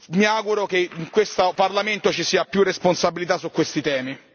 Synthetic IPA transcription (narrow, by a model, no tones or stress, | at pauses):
miaɡuɾokeiŋkwest̪aparlament̪ot͡ʃisiːapjurːesponsabilit̪asːukːwest̪it̪ɛːmi